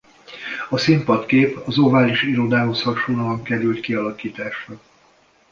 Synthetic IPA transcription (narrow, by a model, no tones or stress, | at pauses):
ɒsimpɒt̪keːpɒzo̞vaːliʃiɾo̞d̪aːɦo̞shɒrʃoːnɒlɒŋkɛɾylt̪kiɒlɒkiːt̪aːʃrɒ